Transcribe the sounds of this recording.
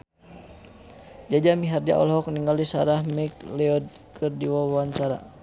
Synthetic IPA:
d͡ʒad͡ʒamiɦard͡ʒa̰ʔɔ̰lɦɔk̚niŋɡalisaɾahmik̚lɛɔd̚ | kɨrdiwawaɲt͡ʃaɾa̰

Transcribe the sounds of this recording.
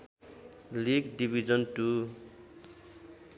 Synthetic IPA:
liɡɖibʱid͡zʌnʈu

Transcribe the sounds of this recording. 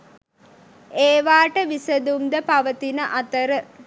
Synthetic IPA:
eːʋaːʈəʋisəd̪umd̪əpaʋət̪inəʔat̪əɾə

